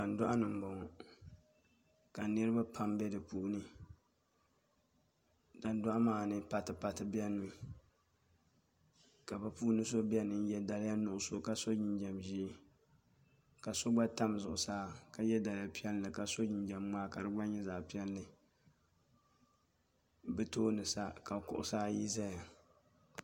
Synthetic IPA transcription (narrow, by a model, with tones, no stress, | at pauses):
ka˨n˦dʊ˦ʔa˦nɨ˨m˨bo˨ŋ˨ | ka˨nɨ˦ɾɨ˦ba˦pʰa˦mbɛ˦dɨ˨puː˦˨ʔnɨ˦ | da˨n˦dʊ˦ʔa˦maː˨nɨ˦pa˨tɨ˨pa˨tɨ˨bɛ˦nɨ˨˦ | ka˨ba˨pu˦nɨ˦so˦bi˦ɛ˦nɨ˨n˦jɛ˦da˨lɪ˦ja˦nʊ˦˨ʔʊ˨so˨ka˦so˦d͡ʒɪ˦nd͡ʒɛ˨mʒi˦ | ka˨so˦ɡ͡ba˦ta˦mzʊ˨ʔʊ˨saː˦ka˨jɛ˦da˨lja˦pi˦ɛ˦llɨ˨ka˨so˦ɲɪ˨nd͡ʒɛ˨mmaː˦ka˨ɾɨ˦ɡ͡ba˦ɲɛ˦za˨pi˦ɛ˦llɨ˨ | bɨ˦toː˦nɨ˨sa˦ka˨kʊ̰˨ʔʊ̰˨saː˦ji˦za˦ja˨